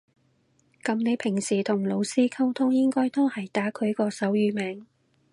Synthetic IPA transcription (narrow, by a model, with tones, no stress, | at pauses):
kɐ˨˧mne˨˧jpʰɪ˨˩ŋsiː˨˩t̪ʰʊ˨˩ŋlo˨˧wsiː˥kʰɐ˥wt̪ʰʊ˥ŋjɪ˥ŋkɔː˥jt̪o˥hɐ˨˩jt̪aː˨˥kʰɵ˨˧ɥkɔː˧sɐ˨˥wjyː˨˧mɛː˨ŋ